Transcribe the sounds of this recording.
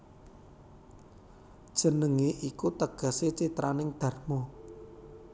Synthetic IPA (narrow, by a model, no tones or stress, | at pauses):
d̥ʒ̥ə̤nəŋeʔikut̪əɡ̥a̤set͡ʃit̪ɾanɪŋd̪̥ä̤rmɔ